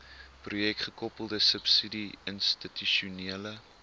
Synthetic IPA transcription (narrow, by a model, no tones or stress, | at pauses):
prujɛktχəkɔpəlˠdəsəpsidiənstityʃuniələ